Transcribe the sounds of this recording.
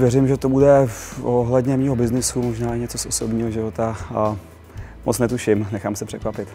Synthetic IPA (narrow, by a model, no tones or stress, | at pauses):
vjɛrɪmʒɛt̪o̞budɛfoɦlɛdɲɛmiːɦobɪznɪsumoʒnaːɪɲɛt͡sosʔosobɲiːɦoʒɪvo̞t̪a | mot͡snɛt̪uʃɪmnɛxaːmsɛpr̥ɛkvapɪt̪